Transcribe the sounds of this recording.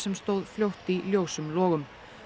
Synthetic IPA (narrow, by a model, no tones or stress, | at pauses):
sɛmst̪owðfljowht̪iljowsʏmlɔːɣʏm